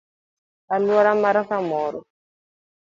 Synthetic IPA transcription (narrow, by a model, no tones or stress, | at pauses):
aluaɾamaɾafamɔːɾɔ